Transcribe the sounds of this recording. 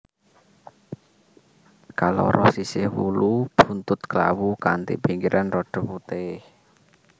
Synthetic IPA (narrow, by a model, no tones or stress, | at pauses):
kalo̰ɾʔɔsisɪhwulub̥unt̪ʊt̪̚kla̰wukant̪ḭpiŋkiɾʔanrɔɖ̥ɔ̤put̪ɪh